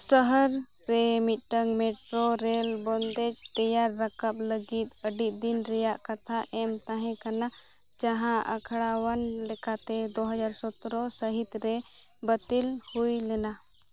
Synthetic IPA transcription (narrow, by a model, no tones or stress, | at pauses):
səɦəɾː | ɛmit̪̚ʈəŋɡmɛʈɾoɾɛlbɔnd̪ɛd͡ʒt̪əjaɾːəkap̚ləɡit̪̚əɖit̪̚d̪inɾɛjaʔkat̪ʰaʔɛmt̪ãɦɛ̃kana | d͡ʒaɦãʔə̰kʰɽawanlɛkat̪ɛd̪oɦəd͡ʒaɾsɔt̪ɾɔsəɦit̪ɾɛ | bət̪ilhujlɛna